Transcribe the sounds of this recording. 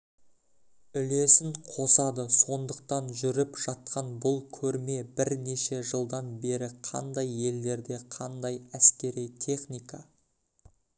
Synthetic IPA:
ʏle̞sɪɴqʰo̞sɑd̪əso̞nd̪əq̚t̪ɑnʒʏɾɪpʒ̥ɑt̪̚qɑnbʊlˠkʲʰɵɾme̞bɪɾne̞ʃe̞ʒəlˠd̪ɑnbe̞ɾɪqʰɑ̰nd̪ɑje̞lːe̞ɾd̪e̞qʰɑnd̪ɑjæskʲe̞ɾijt̪ʲʰe̞χnijkɑ

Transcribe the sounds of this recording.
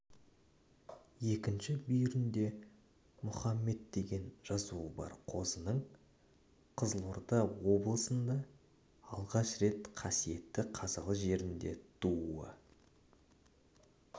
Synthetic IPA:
je̞kʲɪnʃɪbʏjɪɾɪnd̪e̞ | mʊχɑmːe̞d̪d̪e̞ɡʲe̞nʒ̥ɑzuəbɑ̰ɾqʰo̞zənəɴ | qʰəzlˠʊɾd̪ɑwo̞blˠəsənd̪ɑ | ɑlˠʁɑʃɾe̞t̪qʰɑsije̞t̪ːɪqʰɑzɑlˠəʒe̞ɾɪnd̪e̞̰t̪ʰuə̰

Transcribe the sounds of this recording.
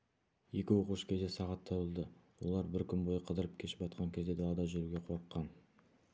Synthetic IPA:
je̞kʲɪwo̞quʃkʲʰe̞zd̪esɑʁɑt̪ʰːɑbəlˠd̪əwolˠɑɾbɪɾkʲʰʏnbo̞jəqʰəd̪əɾəp̚kʲʰe̞ʃɪ̥pɑt̪̚qɑŋkʲʰezd̪e̞d̪ɑlɑd̪ɑʒʏɾuɡʲe̞qʰo̞ɾəqːɑn

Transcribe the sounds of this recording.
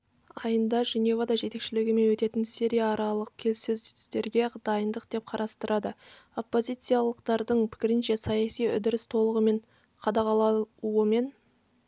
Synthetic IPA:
ɑjənd̪ɑʒene̞vad̪ɑʒe̞t̪e̞kʃɪlɪɡʲɪme̞nwɵt̪e̞t̪ɪnsiɾʲijaːɾɑlˠəq̚kʲʰe̞lsɵzst̪e̞ɾɡʲe̞d̪ɑjənd̪əq̚d̪̥e̞p̚qʰɑɾʔɑst̪əɾɑd̪ə | o̞pːo̞zʲijt̪sijɑlˠəqt̪ɑɾd̪əɴpʰɪ̥kʲɪɾɪnʃe̞sɑjɑsijʏ̰d̪ɪɾɪst̪ʰo̞lˠəʁəme̞ɴ | qʰɑd̪ɑqɑlˠɑuəme̞n

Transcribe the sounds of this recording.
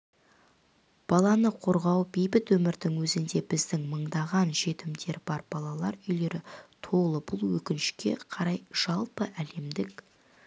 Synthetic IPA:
b̥ɑlˠɑnəqʰo̞ɾʁɑwbejbɪt̪wɵmɪɾd̪ɪŋwɵzɪnd̪e̞bɪzd̪ɪŋməɴd̪ɑʁɑnʒe̞t̪ɪmd̪e̞ɾbɑɾb̥ɑlˠɑlˠɑɾʏjle̞ɾɪt̪ʰo̞lˠəbʊlˠwɵkʲɪnɪʃkʲe̞̰qʰɑɾɑjʒ̥ɑlˠpəʔæle̞md̪ɪk

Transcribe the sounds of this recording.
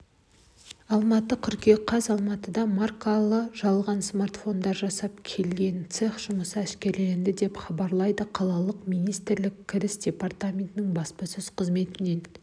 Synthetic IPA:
ɑlˠmɑt̪əkʲʰʏɾkʲe̞qʰɑzɑlˠmɑt̪əd̪ɑmarkalˠəʒɑlˠʁɑnsmart̪fo̞nd̪ɑɾʒɑsɑp̚kʲʰe̞lɡʲe̞nt̪seχʒ̥ʊməsəæʃkʲe̞ɾleɪnd̪ɪd̪e̞pχɑbɑɾlˠɑjd̪əqʰɑlˠɑlˠəqmijnijst̪ɪɾlɪkʲʰːɪɾɪsdʲe̞part̪amʲe̞nt̪ɪnɪŋbɑspɑsʏz̥qʰəzme̞t̪ɪne̞n

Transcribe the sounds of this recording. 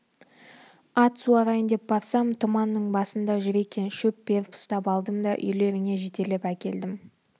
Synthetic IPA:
ɑt̪suɑɾɑjənd̪e̞p̚bɑɾsɑmt̪ʰʊmɑnːəɴbɑsənd̪ɑʒʏɾe̞kʲe̞nʃɵp̚be̞ɾpʰʊ̥st̪ɑpɑlˠd̪əmd̪ɑʔʏ̰jle̞ɾɪŋe̞ʒe̞t̪e̞lepækʲe̞ld̪ɪm

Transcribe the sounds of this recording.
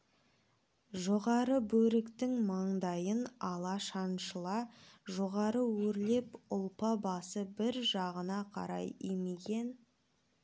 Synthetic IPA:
ʒoʁɑɾəbɵɾɪkt̪ɪŋmɑɴd̪ɑjənɑlˠɑʃɑnʃəlˠɑʒo̞ʁɑɾəwɵɾle̞pʊlˠpɑbɑsəbɪɾʒɑʁənɑqʰɑ̰ɾɑ̰jijmeɡʲe̞n

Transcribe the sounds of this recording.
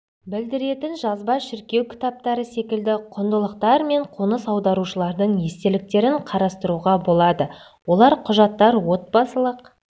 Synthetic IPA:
bɪld̪ɪɾe̞t̪ɪnʒɑzbɑʃɪɾkʲe̞wkʲʰɪ̥t̪ɑp̚t̪ɑɾəse̞kʲɪld̪ɪqʰʊnd̪əlˠəqt̪ɑɾme̞ɴqʰonəsɑwd̪ɑɾuʃəlˠɑɾd̪əɴje̞st̪elɪk̚t̪e̞ɾɪɴqʰɑɾɑst̪əɾuʁɑbo̞lˠɑd̪ə | wo̞lˠɑɾqʰʊʒɑt̪ːɑɾwo̞t̪̚bɑsəlˠəq̚

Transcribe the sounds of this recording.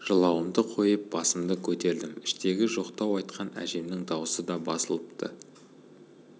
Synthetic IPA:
ʒ̥əlˠɑwəmd̪əqʰo̞jəp̚b̥ɑsəmd̪əkʲʰɵt̪e̞ɾd̪ɪmɪʃt̪e̞ɡʲɪʒo̞qt̪ɑwɑjt̪qɑnæ̰ʒe̞mnɪŋd̪ɑwəsəd̪ɑbɑsəlˠəpt̪ə̰

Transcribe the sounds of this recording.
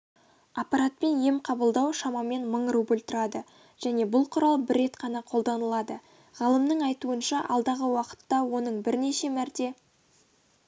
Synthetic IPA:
ɑpːɑɾat̪̚pe̞nje̞mqʰɑbəlˠd̪ɑwʃɑmɑme̞nməɴrubəlʲt̪əɾɑd̪ə | ʒ̥æne̞bʊlˠqʰʊɾɑlˠbɪɾːe̞t̪qʰɑnɑqʰo̞lˠd̪ɑnəlˠɑd̪ə | ʁ̥ɑlˠəmnəɴɑjt̪uənʃɑʔɑ̰lˠd̪ɑʁəwɑqə̥t̪ːɑwo̞nəɴbɪɾne̞ʃe̞mæɾt̪e̞

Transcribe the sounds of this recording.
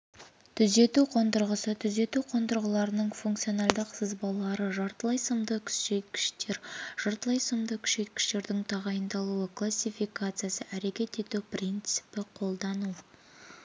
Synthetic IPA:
t̪ʰʏze̞t̪uqʰo̞nt̪əɾʁəsət̪ʰʏze̞t̪uqʰo̞nt̪əɾʁəlˠɑɾənəɴfuŋkt̪sijo̞nɑlˠd̪əqsəzbɑlˠɑɾəʒɑɾt̪əlˠɑjsəmd̪əkʲʰʏ̥sʃe̞t̪̚kʲɪ̥ʃt̪e̞ɾʒ̥ɑɾt̪əlˠɑjsəmd̪əkʲʰʏ̥ʃʃet̪kʲɪ̥ʃt̪e̞ɾd̪ɪŋt̪ʰɑʁɑjənd̪ɑlˠuəklˠasʲijfijkat̪sɨjasəʔæɾe̞kʲe̞t̪e̞t̪uprʲint̪sɨ̥pɪqʰo̞lˠd̪ɑnu

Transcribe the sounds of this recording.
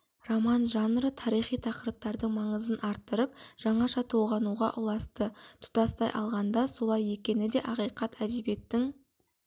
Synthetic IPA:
romɑnʒɑnrət̪ʰɑɾijχijt̪ʰɑqəɾəp̚t̪ɑɾd̪əɴmɑɴəzənʔɑɾt̪ːəɾəp̚ʒ̥ɑɴɑʃɑt̪ʰolˠʁɑnuʁɑ̰ʔʊlˠɑst̪ət̪ʰʊ̥t̪ɑst̪ɑjʔɑ̰lˠʁɑnd̪ɑso̞lˠɑje̞kʲe̞nɪd̪e̞ʔɑqijqɑt̪ʰæd̪ebe̞t̪ːɪŋ

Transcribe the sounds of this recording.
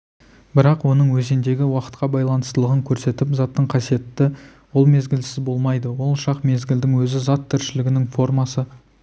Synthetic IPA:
bɪɾɑqwo̞nəɴwɵzend̪e̞ɡʲɪwɑqə̥t̪qɑbɑjlˠɑnəst̪əlˠəʁəŋkʲʰɵɾse̞t̪ɪpzɑt̪ːəɴqʰɑsije̞t̪ːɪ | wo̞lˠme̞zɡʲɪlsɪzbo̞lˠmɑjd̪əwo̞lˠʃɑqme̞zɡʲɪld̪ɪŋwɵzɪzɑt̪ʰːɪɾʃɪlɪɡʲɪnɪŋfo̞rmɑsə

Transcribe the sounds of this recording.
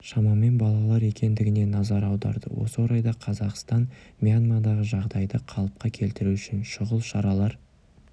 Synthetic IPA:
ʃɑmɑme̞nbɑlˠɑlˠɑɾe̞kʲe̞nd̪ɪɡʲɪne̞nɑzɑɾɑwd̪ɑ̰ɾd̪ə̰wo̞̰səwoɾɑjd̪ɑqʰɑzɑqst̪ɑnmʲianmad̪ɑʁəʒɑʁd̪ɑjd̪əqʰɑlˠəp̚qɑkʲʰe̞lt̪ɪɾuʏʃɪnʃʊʁəlˠʃɑɾɑlˠɑɾ

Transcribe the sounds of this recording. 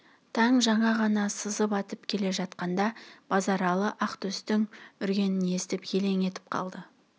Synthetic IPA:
t̪ʰɑɴʒɑɴɑʁɑnɑsəzəpɑt̪əpkʲʰe̞le̞ʒɑt̪̚qɑnd̪ɑb̥ɑzɑɾɑlˠəʔɑqt̪ɵst̪ɪŋʏɾɡʲe̞nɪne̞st̪ɪpje̞le̞ŋe̞t̪ɪ̥p̚qʰɑ̰lˠd̪ə

